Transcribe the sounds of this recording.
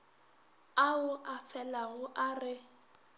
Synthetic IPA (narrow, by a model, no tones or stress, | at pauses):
aʊʔafɛlaɣʊʔarɪ